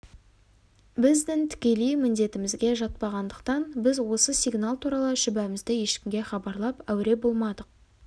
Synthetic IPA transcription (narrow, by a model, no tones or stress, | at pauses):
bɪzd̪ɪŋt̪ʰɪ̥kʲe̞lejmɪnd̪e̞t̪ɪmɪzɡʲe̞ʒɑt̪̚pɑʁɑnd̪əqt̪ɑnbɪzwo̞səsijɡnalˠt̪ʰuɾɑlˠəʃʏbæmɪzd̪ɪje̞ʃkʲɪmɡʲe̞χɑbɑɾlˠɑpæwɪɾe̞bo̞lˠmɑd̪əq̚